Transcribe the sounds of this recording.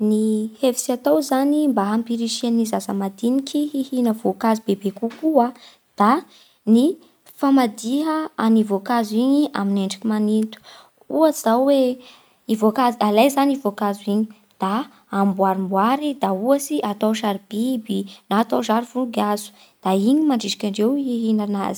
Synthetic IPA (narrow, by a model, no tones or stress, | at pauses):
nihevi̥siat̪owzanimbaɦampiɾiʃianizazəmad̪inikʲʰiɦihinəvokazibebekukua | d̪̥a | ni | famad̪iɦəanivokaziɲiʔa̰mineɳɖ͡ʐakimanint̪u̥ | uazawwe | ivokazialajzanivokazuiɲi | d̪̥aː | mbwaɾimbwaɾid̪auasiʔat̪awʃaɾib̥ibinaːt̪aʒaɾivuɡazu̥ | d̪̥aiɲimaɳɖ͡ʐiʃi̥kʲaɳɖ͡ʐewhiɦinana̰zi̥